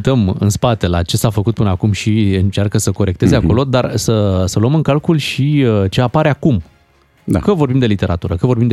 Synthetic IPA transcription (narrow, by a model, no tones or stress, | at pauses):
t̪əmɨ̰nspat̪e̞lat͡ʃe̞safəkut̪̚pɨnəakumʃiɨnt͡ʃarkəsəko̞ɾe̞k̚t̪e̞zeako̞lo̞d̪arsəsəluəmɨŋkalkulʃit͡ʃe̞apaɾeakum | d̪a̰kəvo̞rbimd̪e̞lit̪e̞ɾat̪uɾəkəvo̞rbimd̪